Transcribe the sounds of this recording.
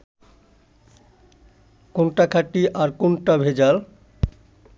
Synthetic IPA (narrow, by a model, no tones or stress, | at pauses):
konʈakʰaʈːiʔaɾkonʈabʱed͡ʑal